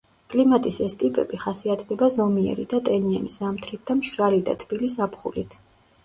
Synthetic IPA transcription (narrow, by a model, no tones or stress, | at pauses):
kʼlimat̪ʼisɛst̪ʼipʼɛ̰biχasiat̪ʰd̪ɛbazɔmiɛ̰ɾid̪at̪ʼɛniɛnisamt̪ʰɾit̪̚ʰd̪amʃɾalid̪a̰t̪ʰbilisapχṵlḭt̪ʰ